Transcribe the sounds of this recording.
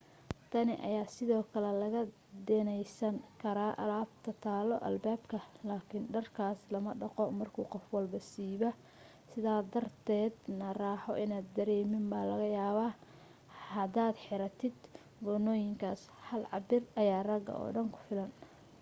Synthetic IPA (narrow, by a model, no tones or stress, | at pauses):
t̪ʰɐnɪʔɐ̰jaːsɪðɔːkʰɐlɛlɐɣɐ | d̪ɛnɛjsɐŋkʰɐɾaːʔɐlaːbt̪ʰɐt̪ʰaːlɔʔɐ̰lbaːbkʰɐlaːkʰɪnɖɐrkʰaːslɐmɐɖɑqɔmɐrkʰuːqɔfwɐlbɐsiːβɐ | sɪðaːd̪ɐrt̪ʰɛːd̪nɐraːħɔʔɪnaːd̪ːɐɾɛːmɪmbaːlɐɣɐjaːβaː | hɐd̪aːd̪ħɪɾɐt̪ʰɪd̪ | bɔnɔːjɪŋkʰaːs | hɐlʕɑbɪrɐjaːrɐɡɐ̰ʔɔ̰ːɖɐŋkʰʊ̥fɪlɐn